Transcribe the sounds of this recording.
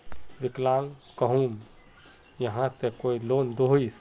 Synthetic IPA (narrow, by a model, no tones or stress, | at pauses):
ʋɪklaːŋkəɦum | jəɦãsekoːiloːnd̪oɦis